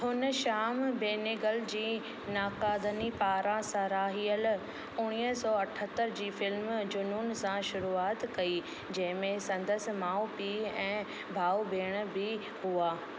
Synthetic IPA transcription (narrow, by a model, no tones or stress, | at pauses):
hʊnəʃaːmbeːneɡəld͡ʑiː | naːkaːd̪ənipaːɾãsɐɾaːɦiːəl | ʊɽ̃iːɦsɔːɐʈʰət̪əɾd͡ʑiːfɪlmd͡ʑʊnunɪ̆sãʃʊɾuːaːt̪kɐi | d͡ʑɐ̃ɦɪ̃mẽsɐ̃nd̪əsɪ̆maːupiːɛ̃ː | bʱaːubʱeːɽ̃bɪ | huaː